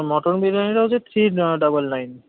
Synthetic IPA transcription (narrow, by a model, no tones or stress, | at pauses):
mɔʈonbiɾaniɾaod͡ʑet̪ʰɾiɖɔbəlnajn